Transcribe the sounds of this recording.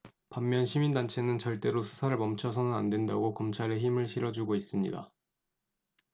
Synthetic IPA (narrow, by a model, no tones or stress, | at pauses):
pamːjʌnɕʰimindant͡ɕʰe̞nɯnt͡ɕʌɭt͈e̞ɾosʰu̥sʰaɾɯɭmʌmt͡ɕʰʌsʰʌnɯnandwendaɡokʌmt͡ɕʰaɾe̞çimɯɭɕʰiɾʌd͡ʑuɡois͈ɯmɲḭda̰